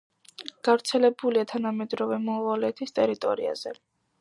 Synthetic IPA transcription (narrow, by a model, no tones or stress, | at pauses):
ɡ̥avɾt̪sʰɛlɛbuliat̪ʰanamɛd̪ɾɔvɛmɔvalɛt̪ʰist̪ʼɛɾit̪ʼɔ̰ɾḭa̰z̥ɛ